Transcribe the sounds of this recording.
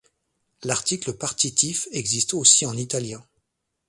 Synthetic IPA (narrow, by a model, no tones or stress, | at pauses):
laʁt̪ikləpaʁt̪it̪ifɛɡzist̪osiɑ̃nit̪aljɛ̃